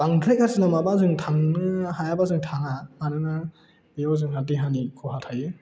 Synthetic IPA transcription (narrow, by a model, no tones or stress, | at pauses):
b̥aŋtʰɾejk̚hasɯnamabazɯŋtʰaŋnɯhajabazɯŋtʰaŋamanɯna | beɔzɯŋhadiɦanikʰɔɦatʰajɯ